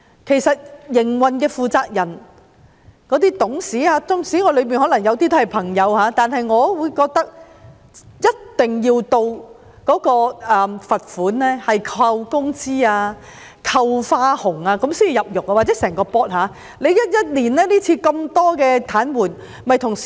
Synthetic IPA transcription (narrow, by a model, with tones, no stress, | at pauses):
kʰe˨˩jsɐ˨t̚jɪ˨˩ŋwɐ˨nkɛː˧fuː˨t͡saː˧k̚jɐ˨˩n | kɔː˨˧˥t̪iː˥t̪ʊ˨˥ŋsiː˨˥aː˧t͡sʊ˥ŋsiː˨˥ŋɔː˨˧lɵ˨˧ɥmiː˨nhɔ˨˥lɐ˨˩ŋjɐ˨˧wt̪iː˥t̪o˥hjpʰɐ˨˩ŋjɐ˨˧whaː˨˥t̪aː˨nhɐ˨jŋɔː˨˧wuː˨˧jkɔː˧k̚t̪ɐ˥k̚ | jɐ˥t̚t̪ɪ˨ŋjiː˧wt̪o˧w | kɔː˨˥kɔː˧ɛː˨˧fɐ˨t̚fuː˨˥nlɛː˥hɐ˨jkʰɐ˧wkʊ˥ŋt͡siː˥aː˧ | kʰɐ˧wfaː˥hʊ˨˩ŋaː˧kɐ˨˥msi˥ni˨jɐ˨p̚jʊ˨k̚a˧waː˨˩t͡sɛ˨˥sɛː˨˩ŋkɔː˧pɔː˥t̚haː˨˧ | le˨˧jjɐ˥t̚jɐ˥t̚liː˨˩nlɛː˥niː˥t͡sʰiː˧kɐ˧mt̪ɔː˥kɛː˧t̪ʰaː˨˥nwuː˨˩n | mɐ˨jt̪ʰʊ˨˩ŋ˨